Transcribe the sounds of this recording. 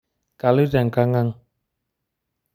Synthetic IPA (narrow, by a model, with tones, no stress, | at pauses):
ka˧˨lɯ˦da˨˩˨ŋka˧ŋa˧ŋ